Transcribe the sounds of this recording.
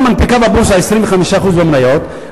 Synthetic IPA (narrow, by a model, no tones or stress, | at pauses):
manpikababuɾsajst̪ɾimiχamiʃaχuzbamnajɔt̪